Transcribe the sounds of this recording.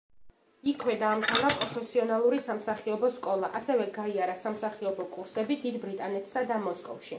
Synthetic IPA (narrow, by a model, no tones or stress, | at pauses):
ikʰwɛd̪aːmt̪ʰɛlapʼɾɔfʰɛsiɔnalˠuɾisamsaχiɔbɔskʼɔlˠaʔasɛvɛɡaiaɾasamsaχiɔbɔkʼuɾsɛbid̪id̪bɾit̪ʼanɛt̪ʰsad̪amɔskʼɔ̰fʃi